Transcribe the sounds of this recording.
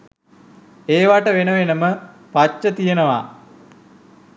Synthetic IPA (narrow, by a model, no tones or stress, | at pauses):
eːʋaʈəʋenəʋenəmə | pat͡ʃːət̪ijenəʋa̰